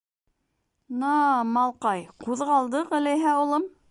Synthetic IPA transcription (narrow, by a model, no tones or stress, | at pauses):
nɑmɑlˠqɑjquðʁɑlˠd̪ɤqɘ̆lɘɦæulˠɤm